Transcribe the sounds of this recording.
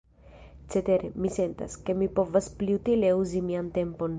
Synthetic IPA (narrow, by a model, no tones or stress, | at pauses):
t͡set̪e̞ɾemise̞nt̪a̰ske̞mipo̞vaspliut̪ile̞uzimiant̪e̞mpo̞n